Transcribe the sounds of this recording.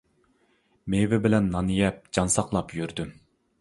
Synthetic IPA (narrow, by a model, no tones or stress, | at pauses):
mevɪbɪlɛnːɑnijɛp̚d͡ʒɑnsɑqlˠɑpjyɾd̪ym